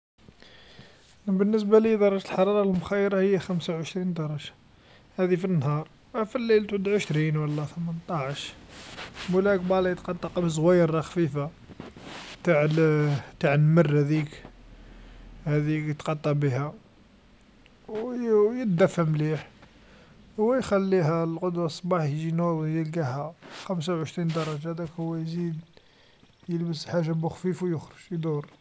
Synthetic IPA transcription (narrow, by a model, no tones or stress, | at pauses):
bənːəs̬balid̪ɑɾˤɑʒt̪əlħɑɾˤɑɾˤɑlmʊxæjːəɾahəjːæxæmsawʕəʃɾind̪ɑɾˤɑʒḁ | hæd̪ifinːhɑɾˤ | wæfilːilt̪ʕud̪ʕəʃɾinwɑlːæθəmənt̪ˤɑʕəʃ | mulæk̚bɑlɑjət̪qɑt̪ˤːɑqbizˤwæjəɾˤːɑxfifa | t̪aʕ | t̪aʕəlmərhæd̪ik | hæd̪ikjət̪qɑt̪ˤːɑbihæ | wjət̪̚d̪æfːəmliħ | hwːæjxælːihælqod̪wɑsˤbɑħjʒinujəlɡæhæxæms̬awʕəʃɾind̪ɑɾˤːɑʒad̪ækhʊwːæjzid̪ | jəlbəsħaʒːabʊxfifwjʊxɾəʒ̥jd̪uɾˤ